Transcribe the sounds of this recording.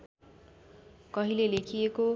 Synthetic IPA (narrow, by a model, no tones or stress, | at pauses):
kʌɦilelekʰieko